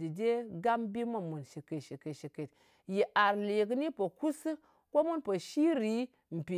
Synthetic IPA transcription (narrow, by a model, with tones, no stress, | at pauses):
i˨d͡ʒe˦ɡa˦mbi˦ma˦˨mu˨nʃi˨ke˨ʃi˨ke˨ʃi˨ke˨t̚ | ji˨ʔa˨ɾle˨ɡni˦po˨ku˦s | ko˦mu˦npo˨ʃi˦ɾi˦ | m̩˨pi˨